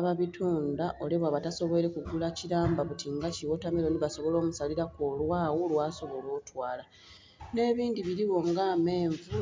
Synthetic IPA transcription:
βaβitʰuːndaʔo̞leβwaβataso̞βoeɾe̞kuɡulaciɾaːmbaβutʰiŋɡaciwo̞tameɾo̞niβaso̞βo̞lo̞ːmusaliɾako̞lwaːwolwaːso̞βo̞lo̞ːtwaːla | ne̞ːβiːndiβiɾiβo̞ŋɡame̞ːɱvu

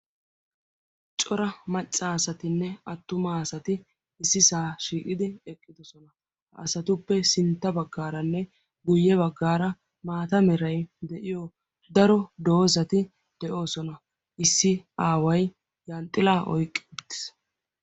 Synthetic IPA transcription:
t͡ʃʼɔɾɐmɐt͡ʃʼːaːsɐt̪ɪnːɛɐt̪ːʊmaːsɐt̪ɪ | ɪsːɪsaːʃiːkʼɪd̪ɪɛkʼːɪd̪ɔsɔnɐ | ɐ̰sɐt̪ʊpːɛsɪnt̪ːɐbɐɡːaːɾɐnːɛ | ɡʊjːɛbɐɡːaːɾɐ | maːt̪ɐmɛɾɐjd̪ɛʔɪjɔ | d̪ɐɾɔd̪o̞ːzɐt̪ɪ | d̪̥ɛʔo̞ːsɔnɐ | ʔɪsːɪʔaːwɐj | jɐnt̪ʼːɪlaːʔɔ̰jkʼːɪ̥ʊt̪ːɪ̥s

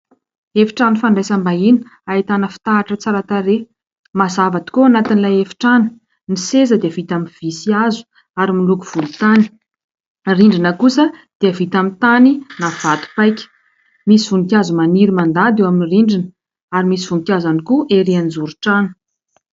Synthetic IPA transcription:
efi̥ʈ͡ʂanifaɳɖ͡ʐajsambainait̪anəfi̥t̪aːʈ͡ʂət͡saɾat̪aɾe | mazavat̪i̥koanat̪inilajefi̥ʈ͡ʂanə̥ | nisezəd̪eəvit̪amiv̥isiazu̥ | aɾimilukuv̥ulut̪ani̥ | riɳɖ͡ʐinəkusəd̪̥eəvit̪amit̪aninav̥at̪u̥pajkʲə̥ | misivunikʲjazumaniɾimand̪ad̪eaminiriɳɖ͡ʐin | aɾimisivuŋikʲjazanikuʔeɾiand͡zuɾuʈ͡ʂanə̥

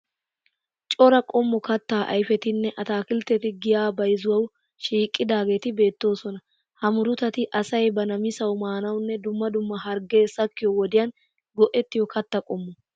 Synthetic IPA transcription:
t͡ʃʼɔɾɐkʼɔmːɔkɐt̪ːaːʔɐ̰jfɛt̪ɪnːɛʔɐt̪aːkɪlt̪ːɛt̪ɪɡɪjaːbɐjzʊwɐw | ʃiːkʼːɪd̪aːɡe̞ːt̪ɪbe̞ːt̪ːo̞ːsɔnɐ | hɐmʊɾʊt̪ɐt̪ɪʔɐsɐjbɐnɐmɪsɐwmaːnɐwnːɛd̪ʊmːɐd̪ʊmːɐhɐɾɡe̞ːsɐkːɪjɔwɔd̪ɪjɐn | ɡɔʔɛt̪ːɪjɔkɐt̪ːɐkʼɔmːɔ

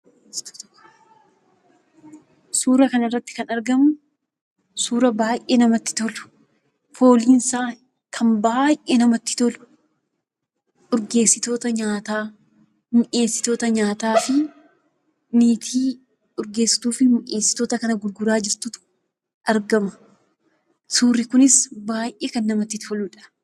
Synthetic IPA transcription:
t̪t̪kː | suːɾɐkɐnɪrːɐt̪ːɪ̥kɐnɐɾɡɐmʊ | suːɾɐbaːjʔeːnɐmɐt̪ːɪ̥t̪ɔlʊ̥ | fo̞ːliːnsaː | kʰɐmbaːjʔeːnɐmɐt̪ːɪ̥t̪ɔlʊ̥ | ʊɾɡe̞ːsːɪt̪o̞ːt̪ɐɲaːt̪aː | mʊʔeːsːɪ̥t̪o̞ːt̪ɐɲaːt̪aːfɪ | niːt̪ʰiː | ʊɾɡe̞ːsːɪ̥t̪uːfɪmʊʔe̞ːsːɪ̥t̪o̞ːt̪ɐkɐnɐɡʊlɡʊɾaːd͡ʒɪɾt̪ʊt̪ʊ̥ | ʔɐɾɡɐmɐ̥ | suːrːɪkʊnɪsbaːjʔeːkɐnːɐmɐt̪ːɪt̪ʰɔluᶑɐ̥

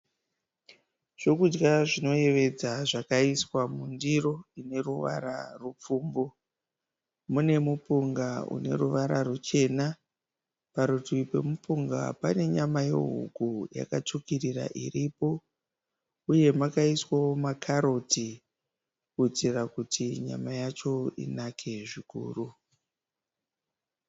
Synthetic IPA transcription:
ʐ̥o̞kud͡ʒɡaʐino̞je̞ʋe̞d͡zaʐakaiswamundiro̞ine̞ruʋa̰ɾa̰rup͡fuːmbo | mune̞mupuŋɡaṵne̞̰ɾuʋaɾarut͡ʃe̞na | paɾutipe̞̰mupuŋɡa̰pane̞ɲamaje̞̰ɦṵɡuja̰kat͡ʃukirira̰ʔḭɾipo̞ | uje̞makaiswawomakʰaɾo̞ti | kut͡sirakutʰiɲa̰majat͡ʃo̞ḭnakʰe̞ʐikṵːru

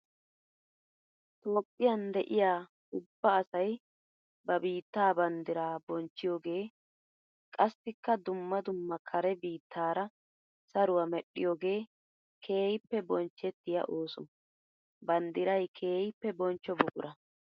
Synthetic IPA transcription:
t̪o̞ːpʼːɪjɐnd̪ɛʔɪjaː | ʊbːɐːsɐj | bɐbiːt̪ːaːbɐnd̪ɪɾaːbɔnt͡ʃːɪjo̞ːɡe̞ː | kʼɐsːɪkːɐd̪ʊmːɐd̪ʊmːɐkʰɐɾɛbiːt̪ʰːaːɾɐ | sɐɾʊwɐmɛɗːɪjoːɡe̞ː | kʰe̞ːjɪpːɛbɔnt͡ʃːɛt̪ːɪjɐ̰ʔo̞ːsɔ | bɐnd̪ɪɾɐjkʰeːjɪpːɛbɔnt͡ʃːɔbʊkʼʊɾɐ

